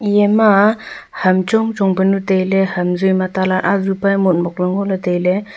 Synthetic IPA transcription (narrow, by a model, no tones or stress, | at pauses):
jema | hamt͡ʃɔŋt͡ʃɔŋbənutejlehamzujmatalaɾʔazupajmɔt̚mɔk̚lɔŋɔlatejle